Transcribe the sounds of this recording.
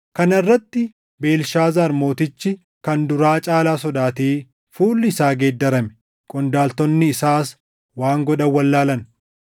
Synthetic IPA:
kɐnɐrːɐt̪ːɪ | be̞ːlʃaːzɐːɾmo̞ːt̪ɪt͡ʃːɪ | kɐnd̪ʊɾaːt͡ʃʼaːlaːsɔd̪aːt̪eː | fuːlːɪːsaːɡeːd̪ːɐɾɐmɛ̥ | kʼɔnd̪aːlt̪ɔnːɪːsaːs | waːŋɡɔᶑɐwːɐlːaːlɐn

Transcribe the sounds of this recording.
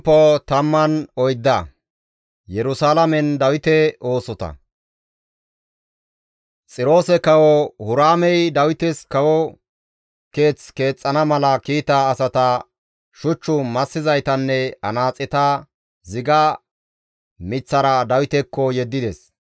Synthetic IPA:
pːɔt̪ɐmːɐnɔjd̪ːɐ | jɛɾʊsaːlɐmɛnd̪ɐwɪt̪ɛʔo̞ːsɔt̪ɐ̰ | t͡sʼɪɾo̞ːsɛkɐwɔhʊɾaːmɛjd̪ɐwɪt̪ɛskɐwɔ | ke̞ːt͡ske̞ːt͡sʼːɐnɐmɐlɐkiːt̪ɐːsɐt̪ɐ | ʃʊt͡ʃːʊmɐsːɪzɐjt̪ɐnːɛɐ̰naːt͡sʼːɪt̪ɐ | zɪɡɐ | mɪt͡sːɐɾɐd̪ɐwɪt̪ɛkːɔjɛd̪ːɪd̪ɛs

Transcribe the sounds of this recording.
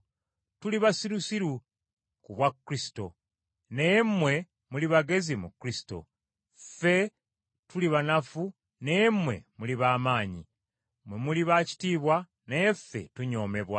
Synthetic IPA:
tuliβasiɾusiɾu | kuβwakːɾisi̥to̞̰ | nemwe̞ | muliβaɡe̞zimukɾisi̥to̞̰ | fe̞ | tuliβanafu | nemwe̞̰muliβaːmaːɲḭ | mwe̞muliβaci̥tiːβwa | nejefe̞̰tuɲo̞ːme̞βwa

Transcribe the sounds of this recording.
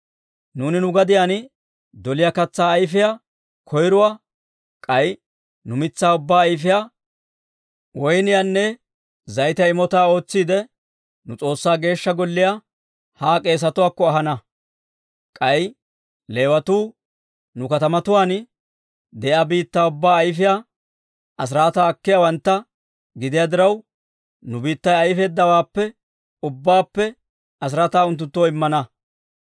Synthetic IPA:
nuːnɪnʊɡɐd̪ɪjaːn | d̪ɔlɪjakɐt͡sːaːjfɪja | kʰɔjɾʊwaː | kʼɐj | nʊmɪt͡sːaːʊbːaːjf̬ɪjaː | wɔjnɪjaːnːɛ | zɐjt̪ɛɪmɔt̪aːo̞ːt͡sːiːd̪ɛ | nʊt͡sʼo̞ːsːaːɡe̞ːʃːɐɡɔlːɪja | haːkʼe̞ːs̬ɐt̪ʊwaːkːɔɐɦɐnɐ | kʼɐj | le̞ːwɐt̪uː | nʊkɐt̪ɐmɐt̪ʊwaːn | d̪ɛʔɐbiːt̪ːaːʊbːaːɐjfɪjaː | ʔɐs̬ɾaːt̪aːɐkːɪjawɐnt̪ːɐ | ɡɪd̪ɪjaːd̪ɪɾɐw | nʊbiːt̪ːɐjɐjfe̞ːd̪ːɐwaːpːɛ | ʊbːaːpːɛ | ɐs̬ɾaːt̪aːʊnt̪ːʊnt̪ːoːɪmːɐnɐ

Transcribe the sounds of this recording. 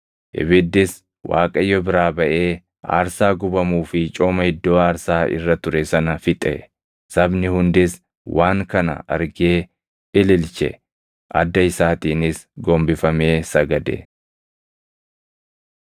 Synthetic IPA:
ʔɪ̰bɪd̪ːɪs | wʔa̰ːkʼɐjːɔbɪɾaːbɐʔe̞ː | a̰ːɾsaːɡʊbɐmuːfɪt͡ʃʼoːmɐhɪd̪ːoːaːɾsaːʔɪ̰rːɐt̪ʊɾɛsɐnɐfɪt̪ʼɛ̰ | sɐbnɪhʊnd̪ɪs | wʔaːŋkɐnɐ̰ʔɐ̰ɾɡeː | ɪlɪlt͡ʃɛ̰ | ʔɐ̰d̪ːɐɪsaːt̪iːnɪsɡɔmbɪfɐme̞ːsɐɡɐd̪ɛ̰

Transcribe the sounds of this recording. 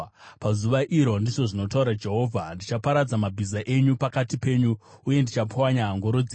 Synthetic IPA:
pazuʋaʔiɾo̞ndiʐo̞ʐino̞tauɾad͡ʒe̞ɦo̞ːvʱandit͡ʃapaɾad͡zamabʱizaʔe̞ɲupakatipe̞ːɲuuje̞ndit͡ʃapʰawaɲaɦːŋɡo̞ɾo̞d͡zi

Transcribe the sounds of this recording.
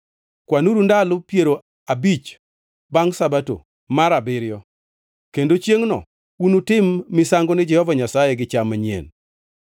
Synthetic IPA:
kwanuɾundalʊpjeɾo | abit͡ʃ | baŋsabato̰ | maɾabɪɾjɔ | kendot͡ʃjeŋnɔ̰ | unutɪmːɪsaŋɡɔnɪd͡ʒɛhɔvaɲasajɛɡɪt͡ʃamaɲḛn

